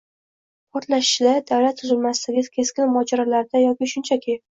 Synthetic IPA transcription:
pʰɒɾt̪laʃɪ̥ʃɪlaɾd̪awlat̪ʰːʊzɪlmasɪt̪ɪɡʲɪkʲʰe̞skʲɪnmɒd͡ʒaɾalaɾd̪ajɒkʲɪʃʊnt͡ʃʰakʲʰɪ

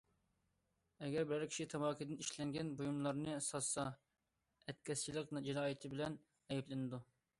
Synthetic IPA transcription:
ɛɡʲɛɾbɪɾæɾkʲʰi̥ʃit̪ʰɛbɑːkʲʰid̪ɪniʃlɛŋɡʲɛnbojumlˠɑɾnɨsɑsɑ | ɛt̪̚kʲɛst͡ʃʰilˠɪqnd͡ʒinɑːjit̪ʰɪbɪlɛn | ɛjɛplɪnɪd̪u

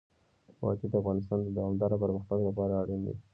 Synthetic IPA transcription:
wɑ̰d͡ʒid̪əafɣɑnɪs̬t̪ɑnd̪əd̪awamd̪ɑɾapəɾməxt̪aɡlapɑɾaaɽind̪ḭ

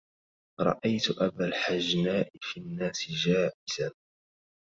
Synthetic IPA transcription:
ɾˤɑ̰ʔajt̪ʊʔabaːlħad͡ʒnaːʔɪfinːaːsɪd͡ʒaːʔɪzan

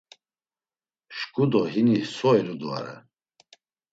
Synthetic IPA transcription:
ʃkʼud̪ɔɦinisɔɛlud̪a̰ɾɛ̰

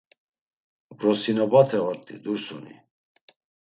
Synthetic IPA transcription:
bɾɔsinɔbat̪ʰɛʁɔɾt̪ʼḭd̪uɾsunḭ

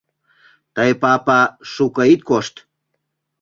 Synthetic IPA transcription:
t̪əjpapɑʃukəit̪̚koʃt̪

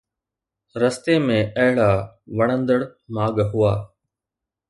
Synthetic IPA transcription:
ɾəst̪eːmẽːɐɦɪɭaː | ʋəɳə̃nd̪əɽmaːɡɦʊaː

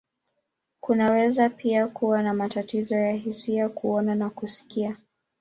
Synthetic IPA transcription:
kunawɛzapiakuwanamatatizɔjaɦisiakʰuɔnanakusi̥kia

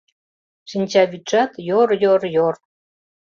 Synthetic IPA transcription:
ʃinʲt͡ɕɑβyt̪t͡ʃɑt̪joɾjorjor

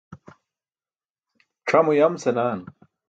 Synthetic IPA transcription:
ʈ͡ʂʰɐmujɐmsenaːn

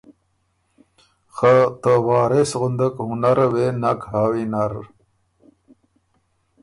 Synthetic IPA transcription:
xat̪əwɑːɾesɣʊnd̪akhunaɾwenakɦaːwinaɾ

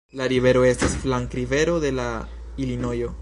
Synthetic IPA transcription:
laɾive̞ɾo̞e̞stasflaŋkɾive̞ɾo̞de̞la | ilino̞jo̞

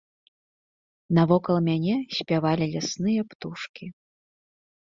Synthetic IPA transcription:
nɐvɔkɐlˠmʲanʲɛsʲpʲavalʲilʲasnɨjɐpt̪uʂkʲi

